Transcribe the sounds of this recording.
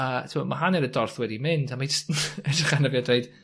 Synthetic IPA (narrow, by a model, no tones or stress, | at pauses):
ətʰɪmɔmaɦaniɾədɔrθwɛdimɪndamad͡ʒəstnɛdrɪχanəvjadejd̥